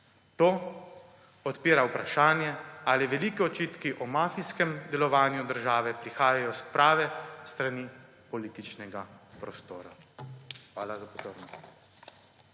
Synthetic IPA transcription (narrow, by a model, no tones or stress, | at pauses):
t̪oː | ɔt̪piːɾawpɾaʃaːnjɛaliʋɛliːkɛɔt͡ʃiːt̪kiʔɔmaːfiskɛmd̪ɛlɔʋaːnjud̪əɾʒaːʋɛpɾixaːjajɔspɾaːʋɛst̪ɾaniː | pɔliːt̪it͡ʃnɛɡapɾɔst̪oːɾa̰ | xʋaːlazapɔzoːɾnɔst̪